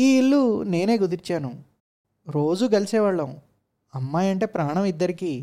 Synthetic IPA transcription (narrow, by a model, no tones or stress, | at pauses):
iːiɭːune̞ːne̞ːɡud̪iɾt͡ʃaːnu | ɾo̞ːd͡ʒuɡɐlisɛːʋaːɭːɐu | ɐmːaːjɐɳʈe̞ːpɾaːɳɐmid̪ːɐɾiki